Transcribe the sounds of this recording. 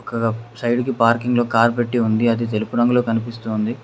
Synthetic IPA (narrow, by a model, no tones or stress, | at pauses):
ɔkɐɐsɐjɖikipaːɾkiŋɡlo̞ːkaːɾp̬e̞ʈːiund̪iɐd̪it̪e̞lupuɾɐŋɡuloːkɐnipist̪uːnd̪i